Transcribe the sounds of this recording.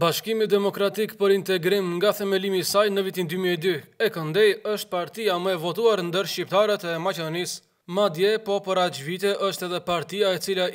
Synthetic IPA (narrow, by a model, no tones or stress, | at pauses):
baʃkimid̪ɛmɔkɾat̪ikpəɾint̪ɛɡɾimŋɡaθɛmɛlimisajnəvit̪ind̪ymiɛd̪yɛkənd̪ɛjəʃt̪̚paɾt̪iaməɛvɔt̪uaɾnd̪əɾʃcip̚t̪aɾət̪ɛmat͡ʃɛd̪ɔnis | mad̪jɛpɔpəɾat͡ʃvit̪ɛʔəʃt̪ɛðɛpaɾt̪iaɛt͡sila